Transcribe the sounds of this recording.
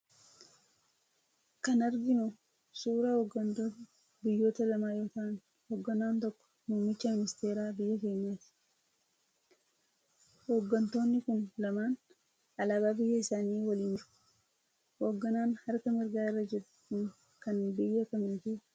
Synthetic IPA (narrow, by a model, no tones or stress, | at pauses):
kɐnɐɾɡɪnɔ | suːɾahoɡːɐnt̪oːt̪ɐ | bɪjːoːt̪ɐlɐmaːjoːt̪ɐn | hoːɡːɐnaːnt̪ɔkːɔ̥muːmːɪt͡ʃːɐmɪnɪst̪eːɾaːbɪjːɐke̞ːɲːaːt̪ɪ̥ | hoːɡːɐnt̪o̞ːnːɪkʊnlɐmaːn | ɐlaːbaːbɪjːɐɪsaːniːwɐliːnt͡ʃʊ̥ | hoːɡːɐnaːnhɐɾkɐmɪɾɡaːɪrːɐd͡ʒɛɾʊ̥kʊn | kɐnːbɪjːɐkɐmɪnt̪uː